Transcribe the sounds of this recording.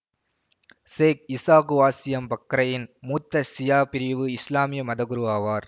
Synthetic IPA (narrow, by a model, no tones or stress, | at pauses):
seːk̚ɪsaːkɯʋaːsɪjɐmpɐkːɾɐjɪnmuːt̪ːɐsɪjaːpɪɾɪʋɯɪslaːmɪjɐmɐðɐɣɯɾɯʋaːʋaːɾ